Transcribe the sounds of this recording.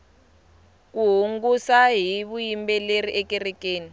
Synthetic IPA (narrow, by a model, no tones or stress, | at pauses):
kuɦuŋɡusaɦiβujimbɛleriʔɛkɛrɛkeːni